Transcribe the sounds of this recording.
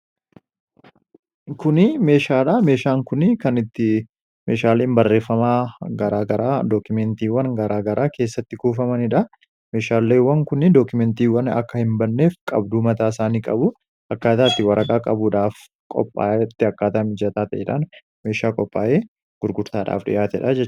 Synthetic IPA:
kʊnɪme̞ːʃaːᶑɐme̞ːʃaːŋkʊnɪkɐnɪt̪ːɪ | meːʃaːleːnbɐrːe̞ːfːɐmaːɡɐɾaːɡɐɾaːd̪oːkʊmɛnt̪iːwːɐnɡɐɾaːɡɐɾʔaːke̞ːsːɐt̪ːɪkuːfɐmɐnɪᶑɐ | me̞ːʃaːlːeːwːɐŋkʊnɪd̪oːkʊmɛnt̪iːwɐnɐ̰kːɐhɪmbɐnːe̞ːfkʼɐ̰bd̪uːmɐt̪aːɪsaːniːkʼɐbʊ | ɐkːaːt̪aːt̪ːɪwɐɾʔɐkʼaːkʼɐbuːᶑaːf | kʼɔ̰pʼːa̰ːʔɛt̪ːɪɐkːaːt̪aːmɪd͡ʒɐt̪aːt̪ɐʔɛᶑan | me̞ːʃaːkʼɔpʼːaːʔeː | ɡ̥ʊɾɡʊɾt̪aːᶑa̰ːfᶑɪ̰ʔaːt̪ɛᶑɐd͡ʒɛt͡ʃː

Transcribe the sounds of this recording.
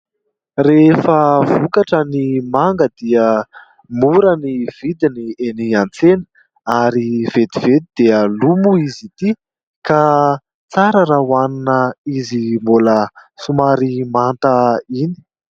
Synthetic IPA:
refəvukaʈ͡ʂənimaŋɡəd̪iə | muɾəniv̥id̪inieniant͡senə̥ | aɾiv̥ed̪ived̪id̪eəlumuizit̪i | ka | t͡saɾəɾawaninəizimbuləsumaɾimant̪əini̥

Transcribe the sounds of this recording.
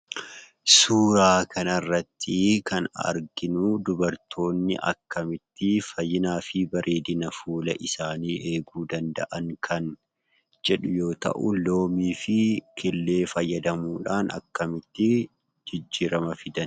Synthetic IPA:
suːɾaːkʰɐnɐrːɐt̪ːɪkɐnɐ̰ɾɡɪnʊd̪ʊbɐɾt̪ʰo̞ːnːɪ̰ʔɐ̰kːɐmɪt̪ːɪfɐjːɪnaːfɪbɐɾʔeːd̪ɪnɐfuːlɐʔɪsaːniːʔe̞ːɡuːd̪ɐnd̪ɐ̰ʔɐŋkʰɐn | d͡ʒɛᶑʊjo̞ːt̪ɐ̰ʔʊlo̞ːmiːfɪkʰɪlːe̞ːfɐjːɐd̪ɐmuːᶑaːnɐ̰kːɐmɪt̪ːɪ | d͡ʒɪd͡ʒːiːɾɐmɐfɪd̪ɐn

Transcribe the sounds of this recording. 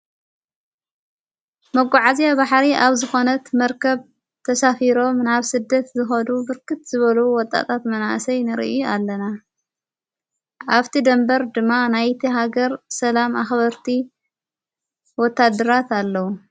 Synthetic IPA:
mɐɡʷaʕazijaβaħɾiʔaβzɨxo̞nɐt̪mɐɾkʰɐβ | t̪ʰɐsafiɾo̞mnaβsɨd̪ːɐt̪zɨxɐd̪ubɨɾkʰɨt̪zɨβɐlɐwuwɔt̪ʼːa̰t̪ʰat̪mɐnaʔsɐjnɨɾḭʔjualːɐna | ʔaβt̪ʰid̪ɐmbɐɾd̪ɨmːanajt̪ʰiɦaɡɐɾsɐlamaxβɐɾt̪ʰi | wɔt̪ʰːad̪ːɐɾat̪alːɐwu

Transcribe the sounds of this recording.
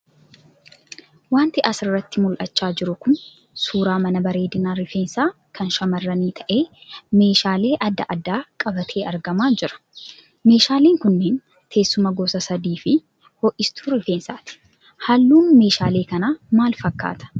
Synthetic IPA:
waːnt̪ɪʔɐsɪrːɐt̪ːɪmʊlʔɐt͡ʃːaːd͡ʒɪɾʊkʊn | suːɾaːmɐnɐbɐɾe̞ːd̪ɪnaːɾɪfe̞ːnsaː | kʰɐnʃɐmɐrːɐniːt̪ʰɐʔe̞ːme̞ːʃaːle̞ːʔɐd̪ːɐ̰ʔɐd̪ːaːkʼɐbɐt̪ʰe̞ːʔɐɾɡɐmaːd͡ʒɪɾɐ̥ | me̞ːʃaːleːŋkʊnːeːn | t̪ʰe̞ːsːʊmɐɡosɐsɐd̪iːfɪ | hɔʔɪst̪ʰuːɾɪfe̞ːnsaːt̪ɪ̥ | hɐlːuːnme̞ːʃaːle̞ːkɐnaːmaːlfɐkːa̰ːt̪ɐ̥

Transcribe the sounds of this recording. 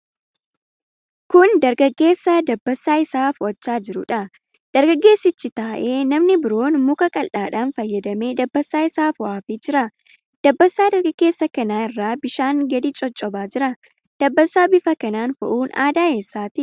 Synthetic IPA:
kʊnd̪ɐɾɡɐɡːe̞ːsːɐd̪ɐbːɐsːaːɪsaːfwɐt͡ʃːaːd͡ʒɪɾʊᶑɐ | d̪̥ɐɾɡɐɡːe̞ːsːɪt͡ʃːɪt̪aːʔe̞ːnɐmnɪbɪɾo̞ːnmʊkɐkʼɐlᶑaːᶑaːnfɐjːɐd̪ɐme̞ːd̪ɐbːɐsːaːɪsaːfwaːfeːd͡ʒɪɾɐ | d̪̥ɐbːɐsːaːd̪ɐɾɡɐɡːe̞ːsːɐkɐnaːɪrːaːbɪʃaːŋɡɐd̪ɪt͡ʃʼɔt͡ʃʼːɔbaːd͡ʒɪɾɐ | d̪̥ɐbːɐsːaːbɪfɐkɐnaːnfɐ̰ʔuːna̰ːd̪aːeːsːaːt̪ɪ

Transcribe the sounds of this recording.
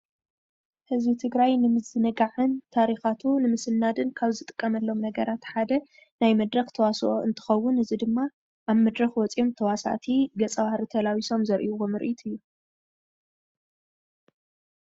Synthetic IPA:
hɨzbit̪ʰɨɡɾajnɨmɨzɨnɨɡaʕɨnt̪ʰaɾixat̪ʰunɨmɨsɨnːad̪ɨnkʰaβzɨt̪ʼɨ̥kʼːɐmɐlːo̞mnɐɡɐɾat̪ħad̪ɐ | najmɐd̪ɾɐxt̪ʰɐwasoʔoɨnt̪ʰɨ̥xɐwːʊnɨzid̪ɨmːa | ʔaβmɐd̪ɾɐxwɔt͡sʼjomt̪ʰɐwasa̰t̪ʰiɡɐt͡sʼɐβahɾit̪ʰɐlawiso̞mzɐɾʔḭuomɨɾʔit̪ʰɨjːu

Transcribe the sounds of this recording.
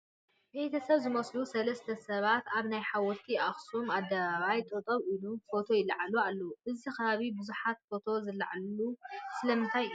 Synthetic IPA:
be̞t̪ʰɐsɐβzɨmɐslusɐlɐst̪ʰɐsɐβat̪aβnajħawɔɾt̪ʰiaxsumad̪ɐβaβajt̪ʼot̪ʼɐβilufo̞t̪ʰo̞jɪlɐʕalualːɐwuʔɨzixɐβaβibɨzuħat̪fo̞t̪ʰo̞zɨlːa̰ʕalusɨlɐmɨnt̪ʰaj

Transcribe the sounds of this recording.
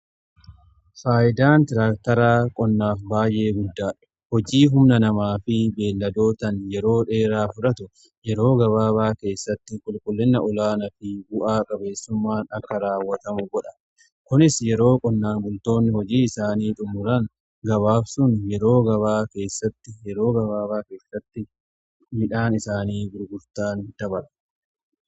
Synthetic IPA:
faːjɪd̪aːnt̪ɪɾaːk̚t̪ɐɾaːkʼɔnːaːfbaːjʔe̞ːɡʊd̪ːaːᶑʊ̥ | hɔd͡ʒiːɦʊmnɐnɐmaːfɪbe̞ːlːɐd̪o̞ːt̪ɐnjɛɾo̞ːᶑe̞ːɾaːfʊᶑɐt̪ʊ | jɛɾo̞ːɡɐβaːbaːke̞ːsːɐt̪ːɪkʼʊlkʼʊlːɪnːɐʔɔlaːnɐfɪbʊʔaːkʼɐbe̞ːsːʊmːaːnɐkːɐɾaːwːɐt̪ɐmʊɡɔᶑɐ | kʊnɪsjɛɾo̞ːkʼɔnːaːŋɡʊlt̪o̞ːnːɪhɔd͡ʒiːɪsaːniːᶑ̪ʼʊmʊɾɐn | ɡɐβaːfsʊnjɛɾo̞ːɡɐβaːke̞ːsːɐt̪ːɪjɛɾo̞ːɡɐβaːβaːke̞ːsːɐt̪ːɪ | mɪᶑaːnɪsaːniːɡʊɾɡʊɾt̪aːnd̪̥ɐbɐɾ

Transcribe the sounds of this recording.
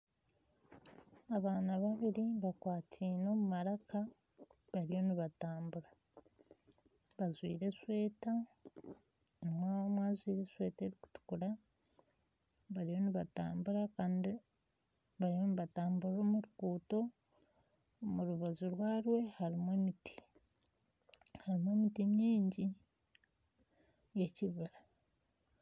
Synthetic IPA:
aβaːnaβaβiɾiβakwaːtʰiːno̞ːmumaɾakʰa | βaɾijo̞niβataːmbuɾa | βazwiːɾe̞swe̞ːta | mwamwaːzwiːɾe̞swe̞ːte̞ːɾiku̥tu̥kuɾa | βaɾijo̞niβata̰ːmbuɾakaːndi | βaɾijo̞niβataːmbuɾomuɾukuːto̞ | muɾuβazuɾwaːɾwe̞haɾimwemiti̥ | haɾimwe̞mitimɲiːɲɟi | je̞ciβiɾa

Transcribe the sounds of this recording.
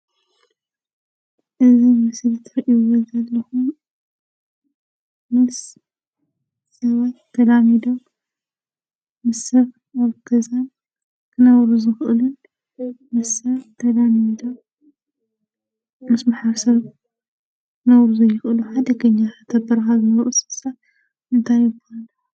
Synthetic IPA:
ʔɨzimɨsɨlt̪ʰɨɾɐʔiuwɔzɐllɐxum | mɨs | ɐβat̪ːʰɐlamid̪om | mɨsɐβ | aβkʰɐzan | kʰɨnɐwɾuzɨxʔɨlun | mɨsɐβt̪ʰɐd̪amid̪om | mɨsmaħaɾsɐβ | kʰɨnɐwɾuzɐjɪxʔɨluħad̪ɐɡɐɲːaxat̪ʰɐbɐɾxazɨnɐʔusɨsat | ɨnt̪ʰajɪbulːɐ

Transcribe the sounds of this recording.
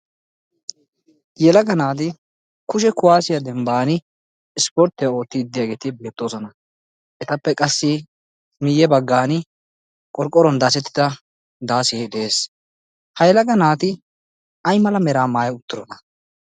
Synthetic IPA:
jɛlɐɡɐnaːt̪̬ɪ | kʊʃ̬ɛkʊwaːsɪjad̪ɛmbaːnɪː | spɔɾt̪ːɪjao̞ːt̪ːɪɪd̪ːɪjaːɡeːt̪ɪbe̞ːt̪ːo̞ːsɔnɐ | ʔɛt̪ɐpːɛkʼɐsːɪ | mɪjːɛbɐɡːaːnɪ | kʼɔɾkʼːɔɾɔnd̪aːsɛt̪ːɪ̥d̪ɐ | d̪aːsɪɛɪd̪e̞ːs | hɐjɛlɐɡɐnaːt̪ɪ | ɐjmɐlɐmɛɾaːmaːjɛʊt̪ːʊɾɔnɐ

